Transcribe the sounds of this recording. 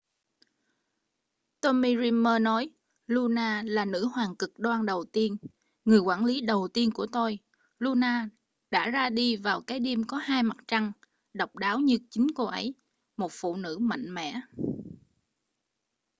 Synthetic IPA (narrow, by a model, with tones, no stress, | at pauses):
t̪o˧mi˧zi˧mːəː˧nɔ˨˦j | lu˧naː˧laː˨˩nɨ̰˧˥hwaː˨˩ŋkɨ˨˩k̚ɗwaː˧nɗə˨˩wt̪i˧ən | ŋɨ˨˩əjkwaː˧˩nli˨˦ɗə˨˩wt̪i˧ənku˧˩ət̪o˧j | lu˧naː˧ | ɗa̰ː˧˥zaː˧ɗi˧vaː˨˩wkaː˨˦jɗi˧əmkɔ˨˦haː˧jma˨˩t̚t͡ɕa˧ŋ | ɗə˨˩wk͡p̚ɗaː˨˦wɲɨ˧t͡ɕï˨˦ŋ̟ko˧ʔə̰˨˦j | mo˨˩t̚fṵ˧˨nɨ̰˧˥ma̰˧˨jŋ̟mɛ̰˧˩˨